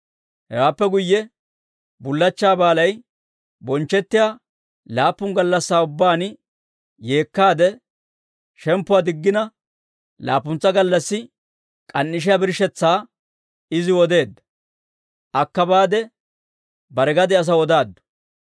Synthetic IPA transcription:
hɛwaːpːɛɡʊjːɛ | bʊlːɐt͡ʃːaːbaːlɐj | bɔnt͡ʃːɛt̪ːɪjaː | laːpːʊŋɡɐlːɐsːaːʊbːaːn | je̞ːkːaːd̪ɛ | ʃɛmpːʊaːd̪ɪɡːɪnɐ | la̰ːpːʊnt͡sːɐɡɐlːɐsːɪ | kʼɐnːɪʃ̬ɪjabɪɾʃɛt͡sːaː | ɪzɪwɔd̪e̞ːd̪ːɐ̥ | ʔɐkːɐbaːd̪ɛ | bɐɾɛɡɐd̪ɛɐs̬ɐwɔd̪aːd̪ːɔ̥

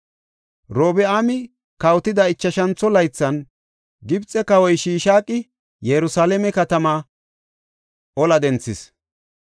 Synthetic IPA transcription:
ɾoːbɛaːmɪ | kɐwt̪ɪd̪ɐɪt͡ʃːɐʃɐnt͡sːɔlɐjt͡sːɐn | ɡɪbt͡sʼːɛkɐwɔjʃiːʃaːkʼːɪ | jɛɾʊsaːlɛmɛkɐt̪ɐmaː | ʔɔlɐd̪ɛnt͡sːɪs

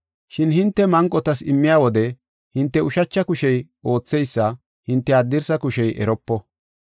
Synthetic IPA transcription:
ʃɪnhɪnt̪ːɛmɐŋkʼːɔt̪ɐsɪmːɪjaːwɔd̪ɛ | hɪnt̪ːɛʊʃɐt͡ʃːɐkʊʃɛj | o̞ːt͡sːɛjsːɐ | hɪnt̪ːɛɐd̪ːɪɾsɐkʊʃɛjʔɛ̰ɾɔpːɔ

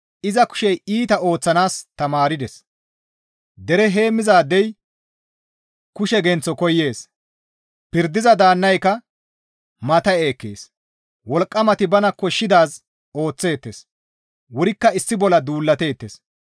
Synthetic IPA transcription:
ʔɪzɐkʊ̥ʃɛjiːt̪ɐo̞ːt͡sːɐnaːst̪ɐmaːɾɪd̪ɛs | d̪ɛɾɛɦe̞ːmːɪzaːd̪ːɛj | kʊʃɛɡɛnt͡sːɔkɔjːe̞ːs | pɪɾd̪ɪzɐd̪aːnːɐjkɐ | mɐt̪ɐe̞ːkːḛːs | wɔlkʼːɐmɐt̪ɪbɐnɐkːɔʃːɪd̪aːz | o̞ːt͡sːe̞ːt̪ːes | wʊɾɪkːɐɪsːɪbɔlɐd̪uːlːɐt̪e̞ːt̪ːes

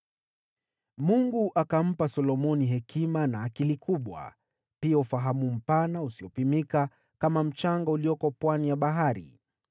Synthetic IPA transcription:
muŋɡuʔakam̩pasɔlɔmɔniɦɛkʰimanaːkilikʰuɓwa̰ | piaufaɦamum̩panausiɔpimika | kamam̩t͡ʃaŋɡauliɔkɔpwanijaɓaɦaɾḭ

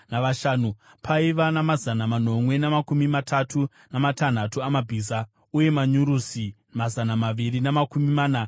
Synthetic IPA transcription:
naʋaʃaːnu | pʰaiʋanamazanaman̤o̞mwe̞namakumimatʰatu | namatan̤atuamabʱisa | uje̞maɲuɾusi | mazanamaʋirinamakumimaːna

